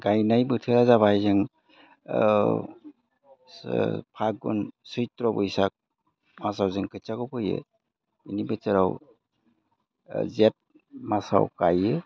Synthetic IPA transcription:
ɡajnajbɯtʰɯɾazabajzɯŋ | pʰak̚ɡṵnsɯjtɾɔbɯjsak̚ | masawzɯŋkɯt͡ʃaɡɔpʰɯjɯ̰ | ḭnibɯt͡ʃɯɾaw | zet̚ | masa̰wkajɯ

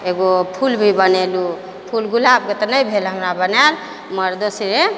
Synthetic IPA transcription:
eɡopʰulbʱibənelu | pʰulɡulab̚ket̪ɔnəjbʱelɦəmɾabənal | məɾd̪osɾe

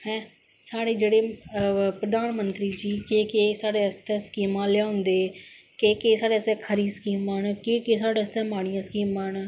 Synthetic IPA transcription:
hɛ̃ː | saːɽeːd͡ʒeːɽeːpɾəd̪aːnmənt̪ɾiːd͡ʒiːkeːkeːsaːɽeːəst̪ɛ̃ːskiːmãːljaːʊnd̪eː | keːkeːsaːɽeːəst̪ɛ̃ːkʰəɾiːsə̥kiːmaːnkeːkeːsaːɽeːəst̪ɛ̃ːmaːɽɪjãːskiːmãːn

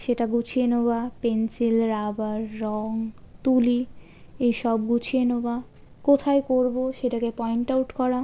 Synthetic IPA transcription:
ʃeʈaɡut͡ɕʰienobapensilɾabaɾːɔŋ | t̪uli | ejʃɔb̚ɡut͡ɕʰienoba | kot̪ʰaejkoɾboʃeʈakepɔjɳʈawʈkɔɾa

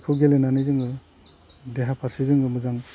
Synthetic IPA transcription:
kʰɯwɡelenanizɯŋɡɯ | deɦapʰaɾsizɯŋɡɯmɯzaŋ

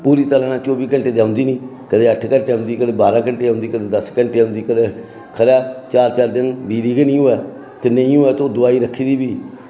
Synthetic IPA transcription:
puːɾiːt̪əɾãːnãːt͡ʃoːbiːkəɳʈeːd̪eːʊ̃nd̪iːniː | kəd̪eːəʈʰkəɳʈeːʊ̃nd̪iːkəd̪eːbaːɾãːkəɳʈeːõːnd̪iːkəd̪eːd̪əskəɳʈeːʊ̃nd̪iːkəd̪eː | kʰəɾjaːt͡ʃaːɾt͡ʃaːɾd̪ɪnbiːd̪iːɡənĩːoɛː | t̪enə̃ĩːoːɛːt̪oːd̪ʊaːiːɾəkʰːiːd̪iːbiː

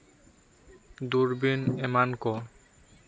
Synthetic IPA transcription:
d̪uɾbinemanko

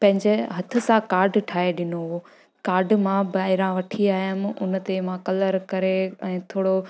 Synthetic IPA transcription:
pɐ̃ɦɪ̃ɲd͡ʑeɦɐt̪ʰɪ̆sãkaːɾɖʈʰaːɦeɗɪnoɦoː | kaːɾɖmãbaːɦɪɾãʋɐʈʰiaːijəmɪʊ̰n̆t̪emãkɐləɾkɐɾeɛ̃ːt̪ʰoːɽo

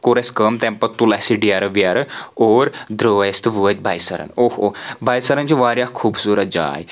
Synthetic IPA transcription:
koɾeskəmt̪ɛ̃mpɐt̪ːulasiɖijaɾɐʋiaɾɐoːɾd̪ɾoːjɐst̪ɨʋuʋɐt̪̚ʲbʱajsɐɾɐ̰nohobʱaːjsɐɾɐnt͡ʃiʋaːɾjakʰuːbsuːɾɐt̪̚d͡ʒa̰ːj

